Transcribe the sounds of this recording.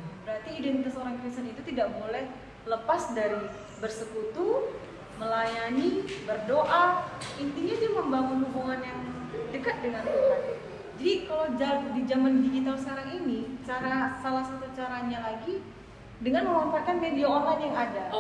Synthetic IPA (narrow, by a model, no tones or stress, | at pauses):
bəɾart̪iːdɛnt̪it̪asoɾaŋkɾist̪ənit̪ut̪idaʔbolɛh | ləpasdaɾi | bərsəkut̪u | məlajanibərdoʔaint̪iɲat̪uməmbaŋunubuŋanjaŋdəkat̪̚dəŋant̪ukan | d͡ʒadikalawd͡ʒadid͡ʒamandid͡ʒit̪alskaɾaŋinit͡ʃaɾasalasat̪ut͡ʃaɾaɲalaɡi | dəŋanməwafakant̪ediaonlanjaŋada